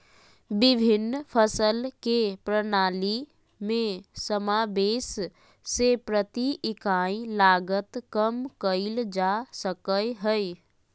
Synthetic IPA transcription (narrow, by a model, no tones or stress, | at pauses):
bɪbʱɪnːpʰəsəlkepɾənaːli | mẽsəmabeːs | sepɾət̪iɪkaĩlaɡət̪kəmkəɪld͡ʒasəkəjɦəj